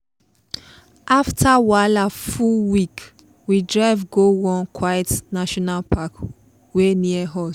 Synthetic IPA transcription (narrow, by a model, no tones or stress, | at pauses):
ʔaftʰawalafuwik | widɹaɪvɡowɔ̃nkʰwajtnaʃɔnalpʰak | weniəɦɔs